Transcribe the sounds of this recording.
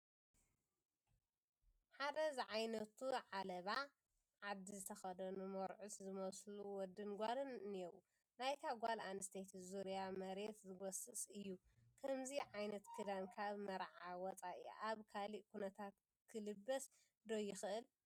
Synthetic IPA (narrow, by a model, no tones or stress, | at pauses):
ħad̪ɐzʕajnɐt̪ʰuʕalɐβa | ʕad̪ːizɨt̪ʰɐxɐd̪ɐnumoɾʕuszɨmɐsluwɔd̪ɨnɡʷalɨnnjɛwu | najk̪ʰaɡʷalanɨst̪ʰet̪ʰzuɾijamɐɾe̞t̪zɨɡɔsɨsʼɨjːukʰɐmziʕajnɐt̪kʰɨd̪ankʰaβmɐɾʕawɔt͡sʼaʔḭʔaβkʰaliʔkunɐt̪ʰat̪ | kʰɨlɨbːɐs | d̪ojɪxɨʔɨl